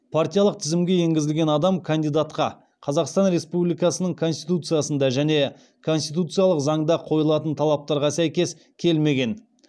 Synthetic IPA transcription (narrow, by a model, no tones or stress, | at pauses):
pʰart̪ʲijɑlˠəq̚t̪ʰɪzɪmɡʲe̞je̞ŋɡʲɪzɪlɡʲe̞nɑd̪ɑmkʰand̪ijd̪at̪qɑ | qʰɑzɑqst̪ɑnɾe̞spublijkɑsənəɴkʰo̞nst̪ijt̪ut̪sɨjasənd̪ɑʒæne̞ | kʰo̞nst̪it̪ut̪sɨjalˠəqzɑɴd̪ɑqʰo̞jəlˠɑt̪ənt̪ʰɑlˠɑp̚t̪ɑɾʁɑsæjkʲe̞s | kʲʰe̞lme̞ɡʲe̞n